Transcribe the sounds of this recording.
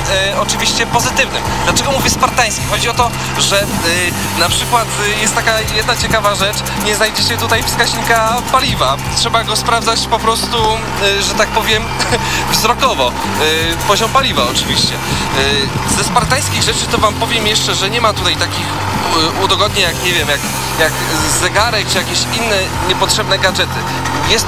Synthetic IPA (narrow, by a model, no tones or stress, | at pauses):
ɔt͡ʂɨvʲiɕt͡ɕɛpɔzɘt̪ɘvnɨmd̪lat͡ʂɛɡɔmuvʲjɛspaɾt̪aj̃skʲixɔd͡ʑiɔt̪ɔ | ʐɛ | napʂɘkwat̪jɛst̪ːakajɛd̪nat͡ɕɛkavaʐɛt͡ʂ | ɲɛzajd͡ʑɛɕɛt̪ut̪ajfskaʑɲikapalʲivatʂɛbaɡɔspɾavd̪zat͡ɕpɔpɾɔst̪u | ʐɛt̪ak̚pɔvʲjɛmvzɾɔkɔvɔ | pɔʑɔmpalʲivaɔt͡ʂɘvʲiɕt͡ɕɛ | zɛspaɾt̪ajskʲiɣʐɛt͡ʂɘt̪ɔvampɔvʲjɛmjɛʂt͡ʂɛʐɛɲɛmat̪ut̪ajt̪akʲix | ud̪ɔɡɔd̪ɲɛjakɲɛvʲjɛmjak | jak | zɛɡaɾɛk̚t͡ʂɨjakʲeɕinːɛ | ɲɛpɔtʂɛbnɛɡad͡ʐɛt̪ɘ | jɛst̪